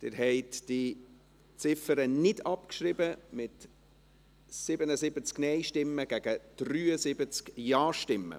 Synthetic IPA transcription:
d̥̪ɪɾhɛɪtd̥i | t͡sɪfəɾənɪdɑpkʃrɪbəmɪt | sɪbənəzɪbət͡sknɛɪʃtɪmːəɡ̥æɡ̥əd̥ryːəzɪbət͡skjɑːʃtɪmːə̰

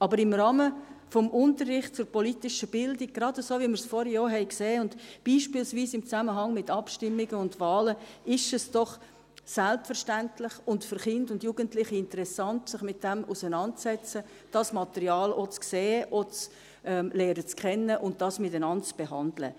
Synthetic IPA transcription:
ɑbəɾɪmrɑːməfɔmʔʊntərːɪχt̚t͡sʊɾpɔlitɪʃəb̥ɪldɪɡ̚ɡɾɑdəsoːvimɪɾsfɔɾjɔːɾɦɛɪkseːʊndb̥iːʃpɪːlsviːsɪmt͡sæməɦɑŋmɪtɑpʃtɪmːɪɡəʊndvɑːləɪʃɛsd̥ɔχ | sælpfəɾʃtæntlɪχʊntfʏɾχɪndʊndjuːɡəntlɪχiɪntəɾɛsɑntsɪχmɪt̚d̥ɛmusənɑnt̚t͡sɛt͡sə | d̥ɑsmɑtɛɾiɑːlot͡skseːʔot͡s | ʔɛmlɛːɾət͡skʰχɛnːəʔʊnd̚d̥ɑsmɪtənɑntt͡sb̥eɦɑndlə̰

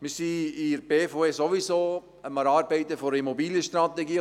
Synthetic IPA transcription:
mɪsiiɾb̥eːfoesoʋisoː | əmɑɾɑːɾbɛɪt̪əfɔɾəimɔbiːljəʃtɾat̪ɛɡiː

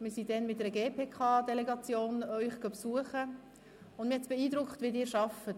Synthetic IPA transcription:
mɪɾsidɛnmɪt̚dɛɾəɡeːpʰeːkʰɑːdɛlɛɡɑt͡sjoːnœʏχɡ̥ɑpsuəχə | ʊndmɪhɛtsb̥ɛiːdɾʊkχtvʋedɪːɾʃɑfət

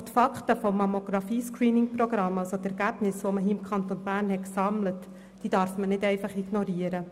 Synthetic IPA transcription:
t̪fɑktəfɔmːɑmoɡ̥ɾɑfiːskɾiːnɪŋproɡ̥ɾɑmːɑlsot̪ɛɾɡæb̥nɪsʋoməɦiːɪmkʰɑnt̪onbæːɾnhɛtksɑmlət | d̥iːd̥ɑɾfmənɪdɛɪfɑχiɡ̥nɔɾiəɾə

